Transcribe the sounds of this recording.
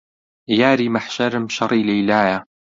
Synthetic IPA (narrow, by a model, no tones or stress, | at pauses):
jaːɾiːmaħʃaɾɪmʃɑɾˤiːlejlaːja